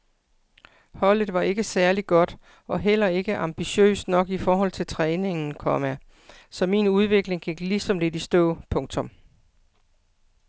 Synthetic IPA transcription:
hɒ̽l̰ð̩ˠʋɑ̈ʔe̝ɡ̥əsæɐliɡ̥ɒ̽d̥ | ʔɒ̽ɦel̰ɐe̝ɡ̥əʔɑ̈mb̥iɕø̰ːsd̥nɒ̽ɡ̥ifɒːɦɒ̽l̰t͡sʰe̝lt͡sʰʁɛːne̝ŋn̩kʰɒmæ | sɒ̽mḭːnuð̞ˠʋe̝ɡ̥le̝ŋɡ̥eɡ̥lisɒ̽mlid̥isd̥ɔ̰̽ːpʰɔ̽ŋt͡sʰɔ̽m

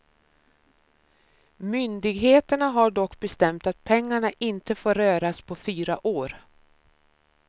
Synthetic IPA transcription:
mʏnd̪ɪɡɦeːt̪əɳaɦaɖɔkːbɛst̪ɛmt̪at̪̚pʰɛŋːaɳaʔɪnt̪əfoːɾøːɾaspʰɔfyːɾaʔoːɾ

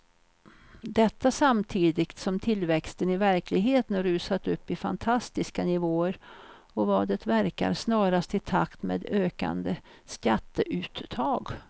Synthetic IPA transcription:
d̪ɛt̪ːasamt̪ʰiːd̪ɪɡt̪sɔmt̪ʰɪlːvɛkst̪ənɪvæɾklɪɡɦeːt̪ənɾʉ̟ːsat̪ɵpːɪfa̰nt̪ʰast̪ɪskanɪvoːəɾ | ɔvɑːɖ̪ət̪væɾka̰ɾsnɑːɾast̪ɪt̪ʰa̰kt̪mḛːd̪øːka̰nd̪əskat̪ːəʔʉ̟ːt̪ːʰɑːɡ

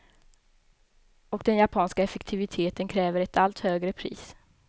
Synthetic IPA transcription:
ɔkd̪ɛnjapʰɑːnskaɛfɛkt̪ʰɪvɪt̪ʰeːt̪ənkʰɾɛːvəɾɛt̪ʰalt̪høːɡɾəpʰɾḭːs

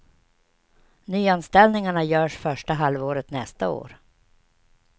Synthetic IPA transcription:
nyːanst̪ɛldnɪŋaɳajœːʂfœʂʈaɦalvoːɾət̪nɛst̪ao̰ːɾ

